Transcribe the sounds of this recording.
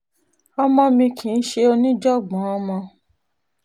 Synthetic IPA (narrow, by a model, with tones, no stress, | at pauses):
ɔ˧mɔ̃˧mĩ˧kʰĩ˨n̩˦ʃe˧o˧nĩ˦d͡ʒɔ˦˨ɡ͡bɔ̃˨˦ɔ˧mɔ̃˧